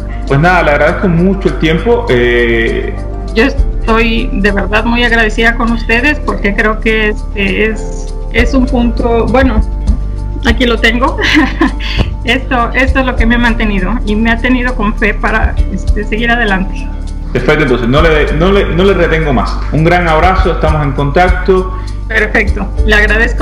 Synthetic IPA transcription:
pwesnaðaleaɣɾaðe̞sko̞mut͡ʃoelt̪je̞mpo̞ʔe | d͡ʒo̞est̪o̞jd̪e̞βe̞ɾðaðmujaɣɾaðesiðako̞nust̪e̞ðe̞spo̞ɾke̞kɾe̞oke̞est̪e̞es | esumpunt̪o̞bwe̞no̞ | akilo̞t̪e̞ŋɡo̞ | e̞st̪oe̞st̪oezlo̞ke̞meamãnt̪e̞niðo̞imeat̪e̞nið̞o̞ko̞ɱfe̞paɾa̰est̪e̞se̞ɣiɾaðe̞lant̪e̥ | d̪epwet̪oent̪onsenoleðenolenoleret̪eŋɡoma̰s | uŋɡɾaŋaβ̞ɾasoest̪amose̞ŋko̞nt̪ak̚t̪o | pe̞ɾfek̚t̪oleaɣɾað̞esk

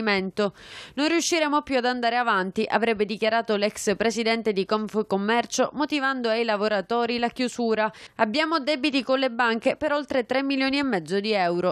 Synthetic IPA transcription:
iment̪ononriuʃːiɾemopjuad̪and̪aːɾeavant̪iʔa̰vɾɛbːed̪ikjaɾaːt̪olɛkspɾesid̪ɛnt̪ed̪ikɔɱfukomːɛrt͡ʃomot̪ivand̪oajlavoɾat̪oːɾilakjusuːɾaabːjaːmod̪ɛbit̪ikonlebaŋkepeɾolt̪ɾet̪ɾemːiljoːniemːɛd̪zːod̪iɛwɾo

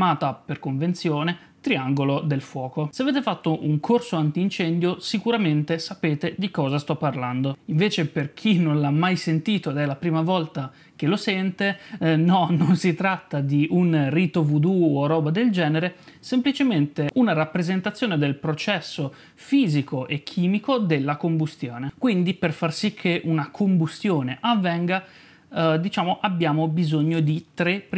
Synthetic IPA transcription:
maːt̪aperkoɱvent̪sjoːne | t̪ɾiaŋɡolod̪elfwɔːkoseaveːt̪efat̪ːoʔuŋkʰorsoant̪iːnt͡ʃɛnd̪josikuɾament̪esapeːt̪ed̪ikɔːzast̪ɔpːarland̪oiɱveːt͡ʃeperk̟ʰinonlamːajsent̪iːt̪oed̪ɛlapɾiːmavɔlt̪a | k̟elosɛnt̪enɔnonsit̪ɾat̪ːad̪iʔunrit̪ovud̪uorɔːbad̪eld͡ʒɛːneɾesemplit͡ʃement̪eʔunaɾapːɾezent̪at̪sːjoːned̪elpɾot͡ʃɛsːo | fiːzikoʔekʰːiːmikod̪elːakombust̪joːnekwind̪iperfarsikʰːeʔunakʰombust̪joːneʔavːɛŋɡa | d̪it͡ʃaːmoʔabːjaːmobizoɲːod̪it̪ɾep

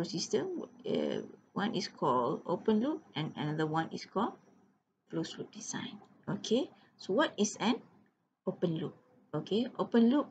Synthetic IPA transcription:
osistə̃mwə̰wãnʔiskʰɔlo̰pə̃nluk̚ɛ̃na̰nad̪əwãnḭskʰɔl | flosfluk̚dizã̰ɪ̃n | okʰe | sowɔtisɛ̃n | opə̃nluk̚ | okʰeopə̃nluk̚

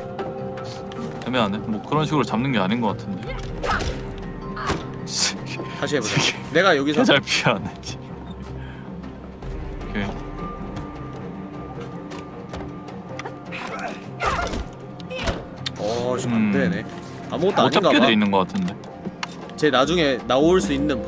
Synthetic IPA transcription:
emʌnanemʌkɯɾʌnɕʰiɡuɾuɭt͡ɕamnɯnɡeaɲinɡʌk͈atʰɯnde̞ | t͡ɕetaɕ̬ʰieoɡene̞ɡajʌɡisʰet͡ɕaɭpʰiʌaned͡ʑi̥ | kʰe | ʌt͡ɕidene̞ | amuɡʌt͈ʰoaaɲianɡaedeinːɯnɡʌk͈atʰɯnde̞ | t͡ɕe̞nad͡ʑuŋe̞naoɭs͈uinːɯn

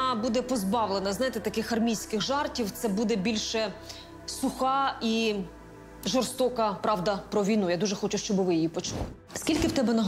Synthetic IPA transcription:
bud̪ɛpɔzbɑwlˠenɐznɑjet̪ɛt̪ɐkɪxɐrmʲijsʲkɪxʒɑrtʲiwt̪sɛbud̪ɛbʲilʲʃɛ | sʊxɑi | ʒɔrst̪ɔkɐpɾɑwd̪ɐpɾɔʋʲijnujad̪uʒɛxɔt͡ʃʊʃt͡ʃɔbɪʋɪjijipɔt͡ʃulˠɪ | skʲilʲkɪwt̪ɛbɛnɐɦ

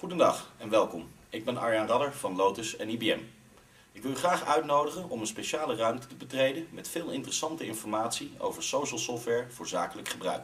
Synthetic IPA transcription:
χudəndɑχɛnʋɛlˠkɔm | ɪɡ̚bɛnɑɹjanrɑdəɹvɑnlowtəsɛnibiɛm | ɪkʋɪlˠyχraːχœɥtnowdəχənɔmənspeʃaːlərœɥmtə̥təbətrejdənmɛtfɪːlˠɪntərəsɑntəɪnfɔɹmaːtsio̰wvəɹsowʃəlˠsɔftʋɛɹv̥ʊːɹza̰ːkələkχəbrœ̰ɥk

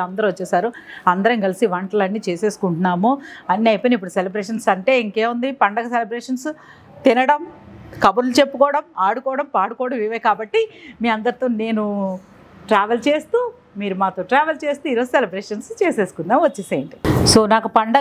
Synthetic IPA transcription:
ɐnd̪ɐɾɐʋɐt͡ʃːɛːsaːɾuɐnd̪ɐɾɐŋɡɐlisiʋɐɳʈɐlɐnːiːt͡ʃeːse̞ːsu̥kuɳʈunːaːmoːɐnːiɐjpɐnipːuɽuselɐbɾeːʂɐnsɐɳʈe̞ːiŋke̞ːund̪ipɐɳɖɐɡɐselɐbɾeːʂɐns | t̪inɐɽɐmkɐbɐɾlut͡ʃe̞pːukɔːɐɽɐmaːɽukɔːɐɽɐmpaːɽukɔːɽɐmiʋɐjkaːbɐʈːimiːɐnd̪ɐɾit̪oːne̞ːnu | ʈɾaːʋelt͡ʃe̞ːst̪uː | miːɾumaːt̪oːʈɾaːʋɐlt͡ʃe̞ːst̪uːiːɾoːd͡ʒuselɐbɾeːʂɐnst͡ʃe̞ːse̞ːsu̥kund̪aːnʋɐt͡ʃːeːsɐːjɳʈiso̞ːnaːkupɐɳɖɐ

